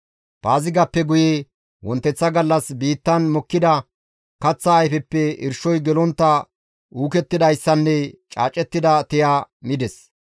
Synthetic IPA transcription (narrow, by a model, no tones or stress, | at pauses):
b̥aːzɪɡɐpːɛɡʊje | wɔnt̪ːɛt͡sːɐɡɐlːɐsbiːt̪ːɐnmɔkːɪd̪ɐ | kɐt͡sːɐːjfɛpːɛɪ̰ɾʃɔjɡɛlɔnt̪ːɐ | uːkɛt̪ːɪd̪ɐjsːɐnːɛt͡ʃʼa̰ːt͡ʃʼːɛt̪ːɪd̪ɐt̪ɛjaːmɪd̪ɛs